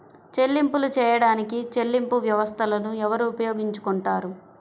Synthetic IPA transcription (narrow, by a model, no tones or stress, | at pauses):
t͡ʃe̞lːimpulut͡ʃɛːjɐɽaːnikit͡ʃe̞lːimpuʋjɐʋɐst̪ʰɐlɐnuɛʋɐɾuːpɐjoːɡiɲt͡ʃu̥kuɳʈaːɾu